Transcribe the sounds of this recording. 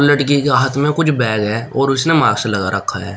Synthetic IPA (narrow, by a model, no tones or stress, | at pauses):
ləʈkikeaːɦət̪ʰmẽkʊt͡ʃʰbɛːɡɦɛːɔːɾʊsnemaːɡsalɐɡa̰ɾəkʰːa̰ɦɛː